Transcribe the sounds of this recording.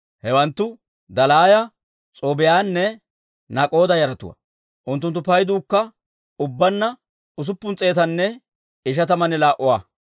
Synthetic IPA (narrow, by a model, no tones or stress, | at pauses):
hɛwɐnt̪ːʊ | d̪ɐlaːjɐ | t͡sʼoːbɪjaːnːɛ | nɐkʼo̞ːd̪ɐjɐɾɐt̪ʊwɐ̰ | ʔʊnt̪ːʊnt̪ːʊpɐjd̪uːkːɐ | ʊbːɐnːɐ | ʊs̬ʊpːʊnt͡sʼe̞ːt̪ɐnːɛ | ɪʃ̬ɐt̪ɐmɐnɛlaːʔʊwaː